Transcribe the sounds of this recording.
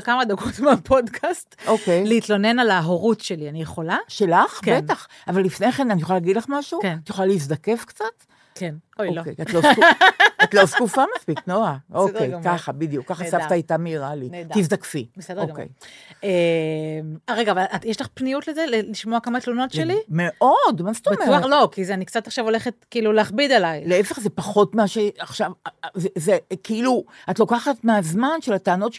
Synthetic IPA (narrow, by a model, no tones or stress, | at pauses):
kamad̪aɡot̪meapʰo̞dkʰast̪ʔokejleit̪lo̞ne̞nalaɦoʁutʃelianijeχo̞laʃelaχkbent̪aχ | avalːifne̞χenanijoχlalaɡid̪laχmaʃukt̪jeχolaliis̬d̪ake̞fkt͡sat̪ | kenookejatlokat̪loskufamaspiknoaʔokejkaχabid̪jukːaχasavaːjtamiʁalind̪izdakfisokḛjemaʁeɡaːvalajeʃlaχpnijutlezeleliʃmoakamat̪lono̞tʃelimeʔo̞dmast̪aomelo̞kizeanikt͡sataχʃavo̞leχet̪kiiluleaχbidelajleefeχzepaχo̞tmaʃeaχʃavzezekiiluatlo̞kaχatmeazmanʃelataːno̞t